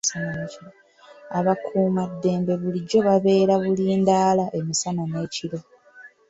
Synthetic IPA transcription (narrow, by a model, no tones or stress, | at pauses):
sananeːciɾo | aβakʰuːmadːe̞ːmbe̞βuliɟːo̞βaβe̞ːɾaβuliːndaːlaʔe̞misanane̞ːciɾo̞